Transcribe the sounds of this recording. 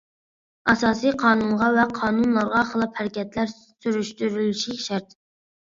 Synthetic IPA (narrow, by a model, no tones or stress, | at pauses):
ɑsɑːsijqʰɑːnunʁɑvɛqʰɑːnunlˠɑɾʁɑχəlˠɑphæɾɪkʲɛt̪læɾ | syɾyʃt̪yɾyliʃiʃæɾt̪